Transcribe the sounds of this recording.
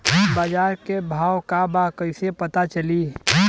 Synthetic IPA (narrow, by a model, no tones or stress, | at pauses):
baːd͡ʒaːɾkebʱaːwkabakəɪsepət̪at͡ʃəli